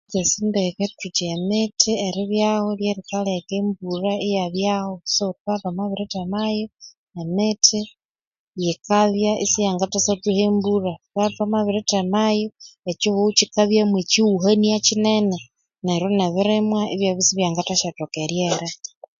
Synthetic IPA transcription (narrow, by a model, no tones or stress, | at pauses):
kesindeketut͡ʃemetʰieɾiβjaholjeɾikalekeːmburaejaβjahosoɾukatamaβiɾetemajo | emetʰi | jekaβjaʔisijaːŋɡatasatuhemburakatamaβiɾetemajoet͡ʃihut͡ʃikaβjamwet͡ʃiuɦaniat͡ʃinene | neɾoneβiɾemwaeβjaβisiβjaŋɡataʃatokeɾjeɾa